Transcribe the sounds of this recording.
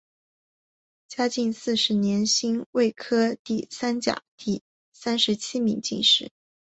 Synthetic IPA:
t͡ɕja˥t͡ɕi˥˧ŋsɹ̩˥˩ʂɻ̩˧˥njɛ˧˥nɕi˥ŋwe˥˩ɪkʰɤ˥t̪i˥˩sa˥nt͡ɕja̰˨˩˦t̪i˥˧ | sa˥nʂɻ̩˧˥t͡ɕʰi˥mḭ˧˥ŋt͡ɕi˥˧nʂɻ̩˥˩˦

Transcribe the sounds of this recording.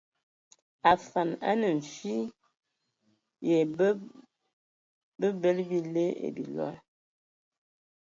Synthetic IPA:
a˨fa˨na̰˦nə˨ɱ̩˨fi˦ | je˨˦ | bə˦bə˦lbi˦le˦ḛ˨bi˨lɔ̰˦l

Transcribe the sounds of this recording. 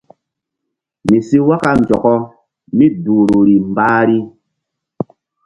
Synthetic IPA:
mi˨si˦wa˦ka˦n˨d͡ʒɔ˨kɔ˦ | mi˦duː˨ɾo˨ɾi˨mbaː˦ɾi˦

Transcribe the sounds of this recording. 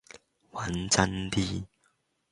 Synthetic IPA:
wa˨˦nt͡sa˦˧nt̪i˦

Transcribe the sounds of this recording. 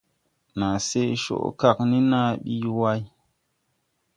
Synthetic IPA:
na˨se˦ʃo̰˦˨ʔka˦˨kni˦na˦ɓi˦wa˦j

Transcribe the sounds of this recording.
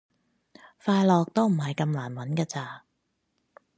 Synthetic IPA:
faː˧jlɔː˨k̚t̪o˥wm̩˨˩ɦɐ˨jkɐ˧mlaː˨˩nwɐ˨˥nkaː˧t͡saː˧˩

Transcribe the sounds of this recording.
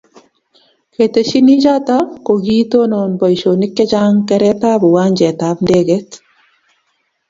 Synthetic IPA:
kete˨ʃi˦ni˦d͡ʒa˦ta˦ko˨ɡiː˦to˦no˨nbɔ˨iʃo˨ni˦kːɛ˦d͡ʒa˦ŋkɛ˦ɾɛ˦ta˦bu˨wa˦ɲd͡ʒɛ˨tabndeɡet

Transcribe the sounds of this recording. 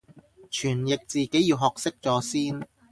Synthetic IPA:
t͡ʃʰyː˨˩njɪ˨k̚t͡siː˨ke˨˥jiː˧wɦɔː˨k̚sɪ˥k̚t͡sɔː˨˥siː˥n

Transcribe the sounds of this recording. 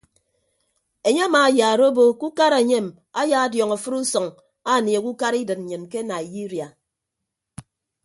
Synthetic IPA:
e˨ɲe˦a˦maː˨jaː˨ɾo˦bo˦ku˦ka˦ɾe˨ɲe˦˨m | a˦jaː˦a˦djɔ˨ŋa˨fɨ˦ɾu˦sɔ˨ŋ | a˦˨ni˨e˨ku˦ka˦ɾi˦dɨ˨t̚n̩˨ɲɨ˨nke˦na˨i˨ji˦ɾi˨a˨

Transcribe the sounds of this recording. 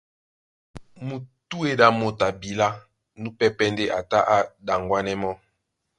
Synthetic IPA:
mu˨tu˦e˨da˨mo˨ta˨bi˨la˦ | nu˦pɛ˦pɛ˦nde˦ʔa˨ta˦ʔa˦da˨ŋɡwa˦nɛ˦mɔ˦

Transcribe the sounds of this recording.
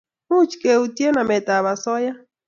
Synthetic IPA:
hu˦t͡ʃkʼe˨u˨t̪je˦na˨me˨t̪a˨βa˨sɔ˦ja˦

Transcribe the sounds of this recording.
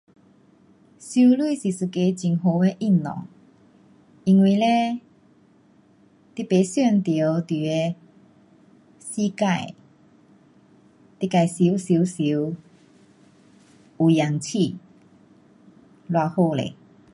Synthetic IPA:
su˧˦lwi˥˧˨si˨sɨ˨ke˧t͡ɕi˨˩ŋo˧˦e˧ʔi˥˧˩nnɔ̰˨˩˦ŋ | i˧ŋwi˧˨le˦ | t̪i˧pe˨˦sjɛ˥˧˨nt̪i˨˦wt̪i˨˩e˧ | si˦ka˥˧j | t̪i˧ka˧˩jsi˧˦wsi˨˧˦si˨˦w | u˨˩ja˨˩ŋt͡ɕʰi˥˧˨ | lwa˧ho˥˧lḛ˨

